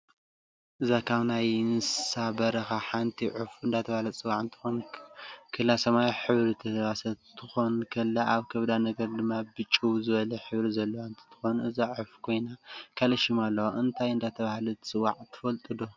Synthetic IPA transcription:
ʔɨzakʰaβnajnɨssabɐɾɐxaħant̪ʰiʕufɨnd̪at̪ʰɐβahlɐt͡sʼɨwːaʕɨnt̪ʰɨ̥xon | kʰɨlːasɐmajħɨβɾit̪ʰɐβasɐt̪ʰɨxo̞nkʰɐlːaʔaβkʰɐβd̪anɐɡɐɾd̪ɨmːabɨt͡ʃʼːuwzɨβɐlɐħɨβɾizɐlːɐwaɨnt̪ʰi̥t̪ʰɨ̥xonʔɨzaʕufkʰo̞jnakʰalɐʃimalːɐwoʔɨnt̪ʰajɨnd̪at̪ʰɐβahlut͡sʼɨwːaʕt̪ʰɨ̥fɐlt̪ʼɨd̪o

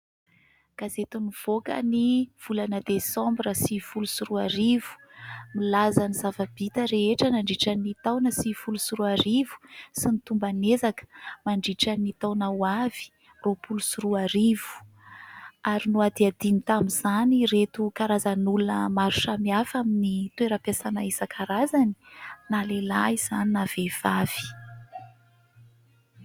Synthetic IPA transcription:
ɡ̥azet̪univ̥okə̰niv̥ulanəd̪esɔ̃mbɾəsifulusuɾuaɾivu̥milazanizavab̥it̪əɾeeʈ͡ʂənaɳɖ͡ʐiʈ͡ʂanit̪awnəsifulusuɾuaɾivu̥sinit̪umbanezakə̥maɳɖ͡ʐiʈ͡ʂanit̪awnawav̥i̥ | ropulusuɾuaɾivu̥ | aɾinuad̪iad̪̥init̪amizaniɾet̪ukaɾazanulunəmaɾuʈ͡ʂamiafaminit̪ueɾəpjasanaisakʰaɾazani̥nalelaiz̥aninav̥ev̥av̥i̥

